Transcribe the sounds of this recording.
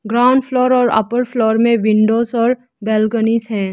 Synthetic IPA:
ɡɾaːʊ̃ɳɖfʰlɔːɾɔːɾɐ̰pəɾfʰlɔːɾmẽʋɪ̃ɳɖoːzɔːɾ | bɛːlɡəniːsɦɛ̃ː

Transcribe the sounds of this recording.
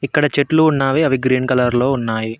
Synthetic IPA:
ikːɐɽɐt͡ʃeʈluːnːaːʋeɐʋiɡɾiːnkɐlɐɾlo̞ːunːaːji

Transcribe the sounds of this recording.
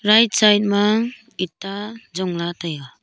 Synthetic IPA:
ɾajt̚sajt̚maŋ | itːad͡ʒɔŋlataja

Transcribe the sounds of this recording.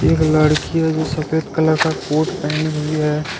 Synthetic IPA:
eːkləɽkiad͡ʒosəpʰeːt̪kələɾkakoːʈpɛɪnbʱiɦɛ

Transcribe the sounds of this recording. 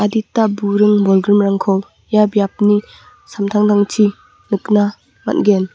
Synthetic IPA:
aditabuɾɯŋbɔlɡɾɯmɾaŋkʰɔw | jabjap̚ni | samtʰaŋdaŋtʰi | nɯkna | ma̰t̚ɡen

